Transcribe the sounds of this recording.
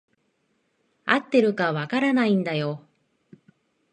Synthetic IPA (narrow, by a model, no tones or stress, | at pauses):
at̪ːe̞ɾɯ̟kaβakaɾanaĩnd̪ajo̞